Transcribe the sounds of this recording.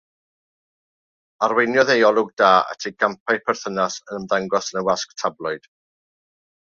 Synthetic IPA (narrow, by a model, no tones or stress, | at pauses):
arwejnjɔðejɔlˠʊɡ̚daːə̰tʰiɡ̥ampʰajpʰɛrθənasənəmðaŋɡɔsənəwasktʰablˠɔɨd̥